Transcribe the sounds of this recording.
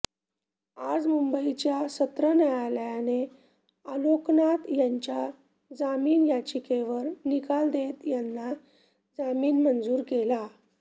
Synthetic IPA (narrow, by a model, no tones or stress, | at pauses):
ad͡zmumbəit͡ɕjasət̪ɾənajaljane | aloknat̪jaɲt͡ɕja | d͡zamiːnjat͡ɕikeʋəɾnikald̪et̪janːa | d͡zamiːnmənd͡zuːɾkela